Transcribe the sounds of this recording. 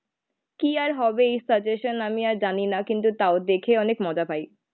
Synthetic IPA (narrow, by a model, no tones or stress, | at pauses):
kiaɾɦɔbeejsəɾd͡ʑeʃonamiaɾd͡ʑaninakint̪̬ut̪aod̪ekʰeɔnekmɔd͡ʑapaj